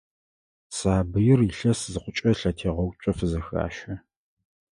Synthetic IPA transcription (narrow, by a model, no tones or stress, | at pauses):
saːbɨjɪriɬɐszɨqʷʊt͡ʃʼɐɬɐtʰeːʁɐwt͡ʃʷʼɐfɨzɐxa̰ːʃɐ